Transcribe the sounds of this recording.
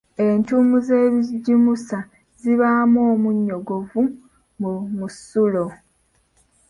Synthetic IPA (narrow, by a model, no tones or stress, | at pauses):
e̞ntumuze̞ːβiɟimusa | ziβaːmoːmuɲːo̞ɡo̞vu | mumusulo